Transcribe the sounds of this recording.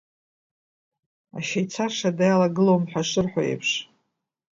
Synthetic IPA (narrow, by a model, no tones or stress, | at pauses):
a̰ʃejt͡sʰarʂadajalaɡɨlowmħʷᶣaʂʷɨrħʷᶣa̰jḛpʰʂ